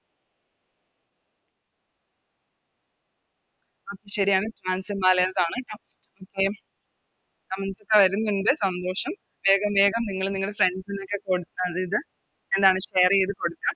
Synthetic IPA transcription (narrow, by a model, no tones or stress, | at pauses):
oːkːeɕɐɾijaːɳɨfraːnsɨmaːlɐjaːsaːɳɨ | oːkːe | ɐmɐnsokːeʋɐɾunːuɳɖe̞sɐnd̪o̞ːʂɐm | ʋe̞ːɡɐmʋe̞ːɡɐmniŋːɐɭniŋːɐɭefrensino̞kːe̞ko̞ɽut̪ːaɐðiðɨ | e̞nd̪aːɳɨɕeːriiðɨko̞ɽut̪ːa